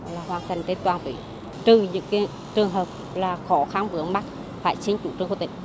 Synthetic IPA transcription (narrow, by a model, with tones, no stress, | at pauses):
laː˨˩ɦwaː˨˩nt̪ʰə˨˩ŋ̟t̪e˧˥nt̪waː˨˩nt̪wḭ˧˨˦ | t̪ɨ˨˩ɲɨ̰˧˥ŋkː | t͡ɕɨ˨˩əŋɦəː˨˩p̚ | laː˨˩xɔ˨˦xa˧nɓɨ˨˦əŋɓa˦˥k̚ | faː˧˩jt͡ɕi˧ŋ̟t͡ɕṵ˧˥˩t͡ɕɨ˧˩ŋku˧˩t̪ï˧˦ŋ̟